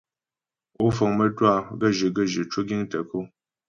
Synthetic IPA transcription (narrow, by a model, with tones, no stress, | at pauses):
o˦fo˨ŋmə˦twa˦˨ɡə˦˨ʒi˨ɡə˦˨ʒi˨t͡ʃu˦ɡi˦ŋtə˨ku˦